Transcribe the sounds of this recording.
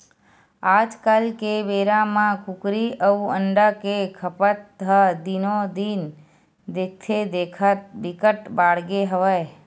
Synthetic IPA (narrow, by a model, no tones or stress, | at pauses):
ad͡ʒkalkeʋeɾamãkukɾiəuəɳɖakekʰəpət̪ɦəd̪inod̪in | d̪ek̚t̪ʰed̪ekʰət̪̚bikəʈbaɽɡeɦəʋaj